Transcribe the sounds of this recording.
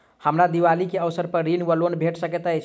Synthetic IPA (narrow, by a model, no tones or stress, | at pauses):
həmɾad̪iʋalikeəʋsəɾpəɾɾinʋəlonbʱeʈsəkɛt̪əjt͡ʃʰ